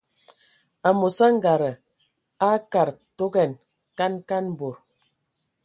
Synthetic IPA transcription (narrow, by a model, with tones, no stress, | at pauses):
a˨mo˨sa˦ŋ˦ɡa˨ɾə˨ | a˦ka˨ɾto˦ɡɛ˦˨n | ka˦nka˦n˦bo˨ɾ